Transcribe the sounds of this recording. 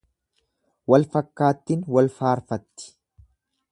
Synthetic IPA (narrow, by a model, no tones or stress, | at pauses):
wɐlfɐkːaːt̪ːɪnwɐlfaːɾfɐt̪ːɪ̥